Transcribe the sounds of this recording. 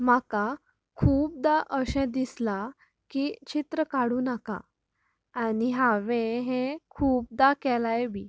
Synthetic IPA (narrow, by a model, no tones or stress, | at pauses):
m̤aka | kʰuːp̚d̪aʔəɕɛ̃d̪isla | kit͡ɕit̪ɾəkaɽuːnaka̰ː | niɦaʋẽɦẽkʰuːp̚d̪akɛlajbʱiː